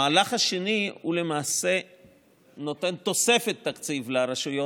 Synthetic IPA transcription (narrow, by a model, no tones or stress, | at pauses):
aːlaχaʃeniule̞maːse̞ | no̞t̪e̞nt̪o̞se̞fet̪ːakt͡sivlaɾaʃujo